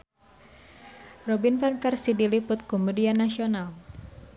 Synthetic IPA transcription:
rɔbinfanfɛrsidilipʊt̪̚komudianasional

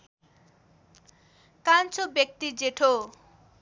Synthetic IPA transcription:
kant͡sʰobjek̚t̪id͡zeʈʰo

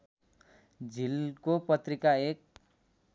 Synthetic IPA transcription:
d͡zʱilkopʌt̪ɾikaek̚

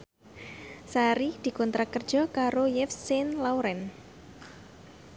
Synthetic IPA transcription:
saɾid̪̥i̤kɔnt̪ɾakərd̥d͡ʒʒ̥ɔ̤kaɾojɛfsɪnlawɾɛn

